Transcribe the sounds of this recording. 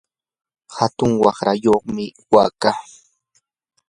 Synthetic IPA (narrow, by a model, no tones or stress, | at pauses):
hat̪ʊŋwɑχɾajoχmɪwaːkaː